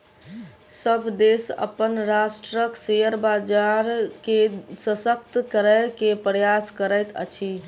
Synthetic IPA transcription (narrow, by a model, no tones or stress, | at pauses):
səbʱd̪esə̰pənɾasʈɾəksejəɾbad͡ʒaɾkesəsəkt̪kəɾəjkepɾəjaskəɾəjt̪ə̰t͡ʃʰi